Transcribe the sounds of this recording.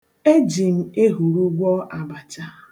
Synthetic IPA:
e˦d͡ʒi˨m̩˦˨e˦ɦu˨ɾu˦ɡʷɔ˦a˨ba˨t͡ʃa˦

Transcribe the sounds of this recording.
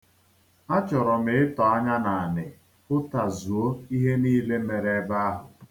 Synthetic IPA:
a˦t͡ʃɔ˨ɾɔ˨mɪ˨˦ɪ˦tɔ˨a˦ɲa˦na˨a˨nɪ˨ | pʊ˦ta˨zu˨o˦i˦ɦe˦niː˦le˦me˨ɾe˦ba˦a˦ɦʊ˨

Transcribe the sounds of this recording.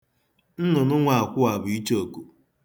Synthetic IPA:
n̩˦nʊ˨nʊ˦ŋʷa˨a˨kʷʊ˦a˨bʊ˨i˦t͡ʃo˨ku˨

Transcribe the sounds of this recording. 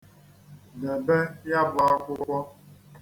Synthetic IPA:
nə˨bɛ˦ja˦ba˦kʷo˦kʷɔ˦

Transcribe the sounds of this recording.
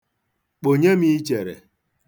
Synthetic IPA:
k͡po˨ɲe˦mi˦i˦t͡ʃe˨ɾḛ˨

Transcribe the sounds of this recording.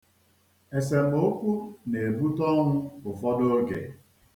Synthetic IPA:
e˨s̬e˨m̩˨˦o˦kʷu˦ne˨bu˦tɔ˦ŋ̩˦ʊ˨fɔ˦do˦ɡḛ˨

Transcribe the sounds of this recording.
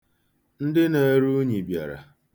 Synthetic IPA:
n̩˦dɪ˦ne˨ɾu˦ɲi˨bja̰˨ɾa̰˨

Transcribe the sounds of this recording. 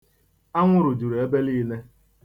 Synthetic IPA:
a˦ŋʷʊ˦ɾʊ˨du˨ɾe˦be˦liː˦ne˦

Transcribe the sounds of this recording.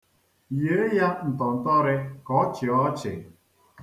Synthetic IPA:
je˨˦ja˦n̩˨tɔ˨n̩˨tɔ˦ɾɪ˦kɔ˦t͡ʃɪ˨ɔ˦t͡ʃɪ̰˨

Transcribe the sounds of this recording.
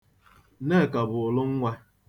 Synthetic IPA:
ne˦˨ka˨bʊ˨lʊ˦ŋ̩˦ŋʷa˦

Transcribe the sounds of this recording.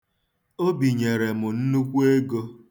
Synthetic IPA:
o˦bi˨ɲe˨ɾe˨mʊ˨n̩˦nu˦kʷu˦e˦ɡo˦

